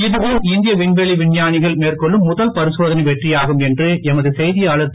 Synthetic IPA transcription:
ɪðɯʋɯmɪnd̪ɪjɐʋɪɳʋɛɭiʋɪɳjaːnɪɣɐɭmeːrkɔɭːɯmːʊðɐlpɐɾɪsoːðɐnɐɪʋɛʈrɪjaːɣɯmɛndrɯʔɛmɐðɯsɛjðɪjaːɭɐt̪ː

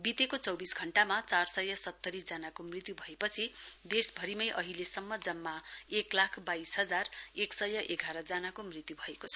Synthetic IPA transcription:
bit̪ekot͡sʌwbisɡʱʌɳʈamat͡sarsʌjʌsʌt̪ːʌɾisd͡zanakomrit̪jubʱʌepʌt͡sʰid̪esbʱʌɾimʌjʔʌɦilesʌmːʌd͡zʌmːaeklakʰbaisɦʌd͡zareksʌjːʌʔeɡʱaɾʌd͡zanakomrit̪jubʱʌekot͡sʰʌ̥

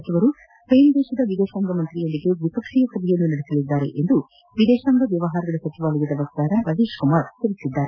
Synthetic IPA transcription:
ɐt͡ʃiʋɐɾu | ejnd̪ɛːʃɐd̪ɐʋid̪ɛːʃaːŋɡɐmɐnt̪ɾijɐnd̪iɡeʋipɐkʂijɐsɐb̪ijɐnːunɐɽisɐlid̪ːaːɾḛʔend̪u | ʋid̪ɛːʃaːŋɡɐʋjɐʋɐɦaːɾɐɡɐɭɐsɐt͡ʃiʋaːlɐjɐd̪ɐʋɐkt̪aːɾɐɾɐd̪iːʃkumaːɾt̪iɾisid̪ːaːɾe

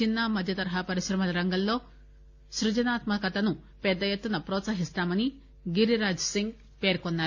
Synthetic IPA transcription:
inːɐmɐd̪ʱjɐt̪ɐɾɐɦɐpɐɾiʃɾɐmɐlɐɾɐŋɡɐllo̞ː | ʃɾud͡ʒɐnaːt̪mɐkɐt̪ɐnu | pɛd̪ːɐjet̪ːunɐpɾɔːt̪sɐɦist̪aːmɐni | ɡiɾiɾaːd͡ʒsiŋɡ | pe̞ːɾkɔnːaːɾu

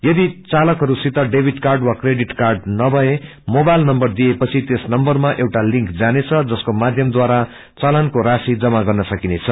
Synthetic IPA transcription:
jʌd̪it͡salʌkɦʌɾusit̪ʌɖebʱiʈkarɖwakreɖiʈkarɖnʌbʱʌe | mobajlnʌmbʌrd̪iepʌt͡sʰit̪esnʌmbʌrmaʔewʈalĩŋkd͡zanet͡sʰʌd͡zʌskomad̪ʱjʌmd̪waɾa | t͡salankoɾasid͡zʌmaɡʌrnʌsʌkinet͡sʰʌ

